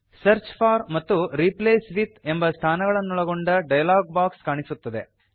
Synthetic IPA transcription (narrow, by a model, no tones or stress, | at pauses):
sɐɾt͡ʃpʰaːɾmɐt̪ːuɾipleːsʋit̪embɐst̪ʰaːnɐɡɐɭɐnːuɭɐɡo̞ɳɖɐɖɐjɐlaːɡ̚baːkskaːɳisut̪ːɐd̪e